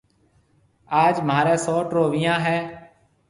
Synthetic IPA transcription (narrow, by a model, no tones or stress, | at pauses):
aːd͡ʒmaːɾẽːsɔːʈɾoːʋɪjãːɦɛː